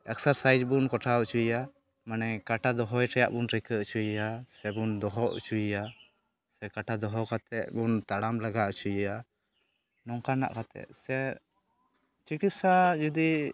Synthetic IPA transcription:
ɛ̰ksaɾsajd͡ʒbunkɔʈʰaɔʔt͡ʃuja | manɛkaʈad̪ɔɦɔjʈʰɛjaʔbunɾɛkəʔt͡ʃujasɛbund̪ɔɦɔʔt͡ʃuja | sɛkaʈʰad̪ɔɦɔkat̪ɛʔ̚bunt̪aɽamlaɡaʔt͡ʃuja | nɔŋkana̰ʔkat̪ɛ̰ʔ̪̚sɛ | t͡ʃikit̪̚sad͡ʒud̪i

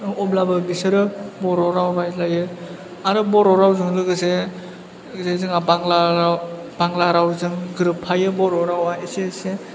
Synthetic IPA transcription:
ɔblabɯbisɯɾɯbɔɾɔɾawbajlajɯ | aɾɯbɔɾɔɾawzɯŋlɯɡɯse | zezɯŋabaŋlaɾ | b̥aŋlaɾawzɯŋɡɯɾɯpʰːajɯbɔɾɔɾawaesese

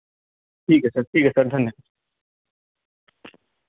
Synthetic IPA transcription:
ʈʰiːkɛsɐɾʈʰiːkɛsɐɾd̪ʱɐnːjə

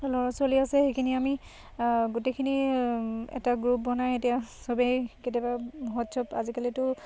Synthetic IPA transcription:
lɔɹɔsoliasɛxejkʰiniami | ɡutejkʰini | ɛ̰taɡɹup̚bɔnajetijasɔbeketɛbamɔɦɔtsʰɔpa̰zikalitʊ

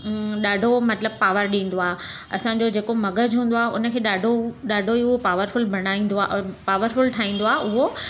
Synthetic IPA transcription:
ɗaːɖʱomɐt̪ɪləb̚paːʋəɾɗĩːn̆d̪oaːɦeɐsãɲ̆d͡ʑod͡ʑeːkomɐɡəd͡ʑɦũːn̆d̪oaːɦʊnə̆kʰeːɗaːɖʱoɗaːɖʱoiʊopaːʋəɾfʊlbʱɐɽ̃aːĩːnd̪paːʋəɾfʊlʈʰaːĩːn̆d̪oaːeʔʊɦo

